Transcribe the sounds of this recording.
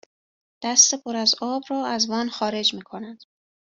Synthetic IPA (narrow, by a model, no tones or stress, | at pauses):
d̪̥æst̪e̞pʰoɾæzɒːbrɒːæzvɒːnxɒːɾe̞d͡ʒmiːkʰo̞næd̪̥